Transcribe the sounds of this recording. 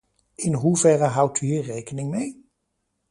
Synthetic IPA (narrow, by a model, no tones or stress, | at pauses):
ɪnɦuvɛrəɦʌwtyɦiːɹrejkənɪŋmej